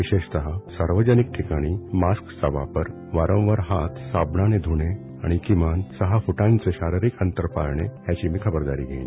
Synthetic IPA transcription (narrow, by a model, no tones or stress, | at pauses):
ʋiɕeɕt̪əɦasaɾʋəd͡ʑənik̚ʈʰikaɽ̃imasksəba̰pəɾ | ʋaɾə̃w̃ʋəɾɦat̪ʰsabɳaned̪ʱuɽ̃e | aɽ̃ikimansəɦafuʈãnt͡seɕaɾiɾikənt̪əɾpa̰ɾɳḛɦjat͡ɕiːmikʰəbəɾd̪aɾḭːɡʱḛ̃